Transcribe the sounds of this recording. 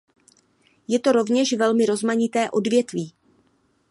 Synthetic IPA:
jɛt̪o̞ɾo̞vɲɛʃvɛlmɪɾo̞zmaɲɪt̪ɛːʔo̞dvjɛt̪viː

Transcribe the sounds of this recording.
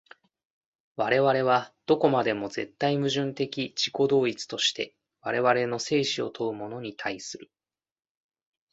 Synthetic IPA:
βaɾe̞βaɾe̞β̞ad̪̥o̞ko̞mad̪e̞mo̞ze̞t̪ːaimɯ̟ʑɨ̃nt̪e̞kʲit͡ɕi̥ko̞d̪o̞ːit͡sɨ̥t̪o̞ɕi̥t̪e̞̰ | βaɾe̞βaɾe̞no̞se̞ːɕio̞̰t̪ʰo̞ɯ̟mo̞no̞ɲ̟it̪ʰaisɨɾɯ̟

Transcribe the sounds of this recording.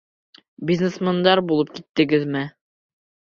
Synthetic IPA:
bʲizʲnʲesmand̪ɑɾbulˠɤp̚kit̪ːɘ̆ɡɘðmɘ

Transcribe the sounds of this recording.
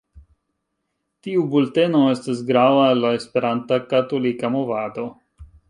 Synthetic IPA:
tiubulte̞no̞e̞stas̬ɡɾavaelːaespe̞ɾantakato̞likamo̞vado̞

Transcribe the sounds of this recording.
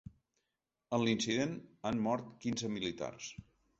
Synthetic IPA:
ənlinsiðenammɔɾt̪kinzəmilit̪a̰rs

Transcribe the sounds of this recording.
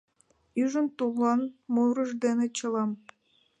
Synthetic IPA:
yʒə̆nt̪ulˠːɑnmuɾɤ̆ʒd̪enĕt͡ɕɤ̆lˠɑm

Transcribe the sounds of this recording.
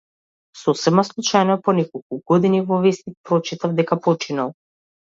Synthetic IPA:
sɔsɛmaslˠut͡ʃajnɔpɔnɛkɔlˠkuɡɔd̪inivɔvɛst̪ipɾɔt͡ʃit̪avd̪ɛkapɔt͡ʃinalˠ

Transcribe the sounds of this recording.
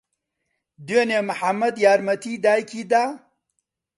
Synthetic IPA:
d̪enemɐħamːɐd̪jaːɾmɐt̪ʰiːd̪aːjkʰiːd̪aː

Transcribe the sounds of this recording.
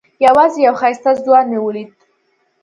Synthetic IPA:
jawazijawχajst̪azd̪waniwulit̪̚

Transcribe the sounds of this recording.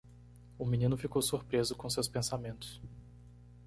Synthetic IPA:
ʊmĩnĩnʊfikowsuɾpɾezʊkõsewspẽsamẽnt̪ʊ̥s

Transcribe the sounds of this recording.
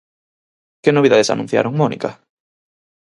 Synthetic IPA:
kɪnoβiða̰ðesa̰nũn̟θja̰ɾoŋmɔnḭka

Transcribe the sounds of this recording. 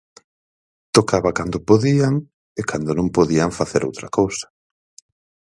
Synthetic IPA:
t̪okaβakand̪ʊpoðiaŋ | ekand̪onõŋpoðiaɱfaθeɾo̰wt̪ɾakowsḁ

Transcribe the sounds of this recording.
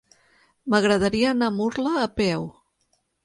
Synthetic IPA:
məɣɾəðəɾiəːnamuɾləːpɛw

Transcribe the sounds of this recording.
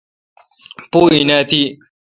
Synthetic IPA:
poːinat̪i

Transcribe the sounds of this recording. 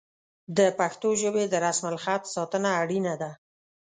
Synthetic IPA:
d̪əpaxt̪oʒəbed̪əɾasmalxat̪sɑt̪ənaːɽinad̪a

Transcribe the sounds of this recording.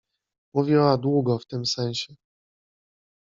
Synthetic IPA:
muvʲiwad̪wuɡɔft̪ɘmsɛ̃ɕɛ

